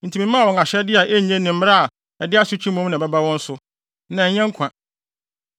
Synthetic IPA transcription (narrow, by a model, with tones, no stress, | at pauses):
n̩˨tʰi˨mĩ˦m˦ã˦˨wɔ̃˨ŋa˨ɕɛ˦dɪ˦a˨ʔe˦ɲɛ̃˦nɪ̃˨m̩˦m˦ɾa˦a˨ | ɛ˨dɪ˦a˦sʊ˦t͡ɕʰĩ˦mũ˦mnã˨bɛ˦ba˦wɔ̃˦n̩˦sʊ˦ | nã˨ɲ̩˦ɲɛ̃˦ŋ̩˦kʷʰã˨